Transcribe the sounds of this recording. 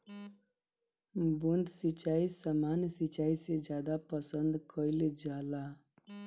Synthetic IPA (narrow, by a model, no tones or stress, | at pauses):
bund̪sit͡ʃaisamansit͡ʃaised͡ʒjad̪apəsənd̪kʰəiled͡ʒala